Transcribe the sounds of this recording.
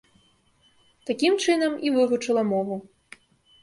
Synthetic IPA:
t̪akʲimt͡ʂɨnɐmivɨvut͡ʂɐlˠɐmɔvu

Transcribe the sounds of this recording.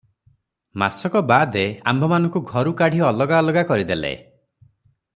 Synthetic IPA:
ma̰sɔkɔbad̪ea̰mbʱɔmanɔ̃ŋkuɡʱɔɾukaɽ̤iɔlɔɡaɔlɔɡakɔɾid̪elḛ

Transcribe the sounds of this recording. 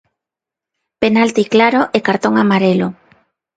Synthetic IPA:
penalt̪iklaɾoʔekaɾt̪oŋamaɾelo

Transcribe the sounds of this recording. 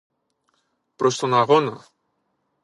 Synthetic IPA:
pɾo̞st̪o̞nɐɣo̞nɐ

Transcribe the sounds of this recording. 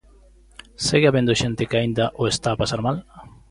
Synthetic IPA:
seɣeaβend̪oʃent̪ɪkɪaind̪aʔoest̪aːpasaɾmal

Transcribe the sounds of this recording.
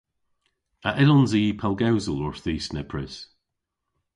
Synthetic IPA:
aʔɪlɔnziːpʰɛlˠɡawzəlɔɹθiːsnɛpʰɹɛs

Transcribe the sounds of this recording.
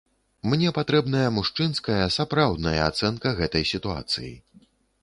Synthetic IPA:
mnʲɛpat̪ɾɛbnɐjɐmuʂt͡ʂɨnskɐjɐsapɾawd̪nɐjɐa̰t̪sɛnkɐɣɛt̪ɐjsʲit̪ua̰t̪sɨ̰jḭ

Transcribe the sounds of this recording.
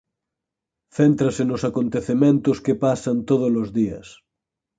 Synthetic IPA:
θent̪ɾɐsenosakont̪eθemẽnt̪oskepasant̪oð̞olozðiɐ̰s

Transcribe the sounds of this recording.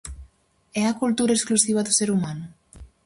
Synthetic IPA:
ɛakult̪uɾɐesklusiβɐðuseɾumanʊ

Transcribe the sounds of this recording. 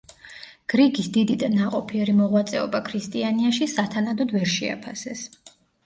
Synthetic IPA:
ɡ̥ɾiɡisd̪id̪id̪anaqʼɔpʰiɛɾimɔʁwat̪sʼɛɔbakʰɾist̪ʼianiaʃisat̪ʰanad̪ɔd̪vɛɾʃɛ̰a̰pʰasɛs

